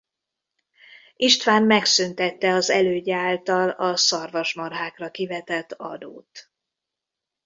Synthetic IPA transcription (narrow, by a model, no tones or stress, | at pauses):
iʃt̪ʋaːnmɛksynt̪ɛt̪ːɛɒzɛløːɟɛaːlt̪ɒlɒsɒrvɒʃmɒrɦaːkrɒkivɛt̪ɛt̪ːɒ̰d̪o̰ːt̪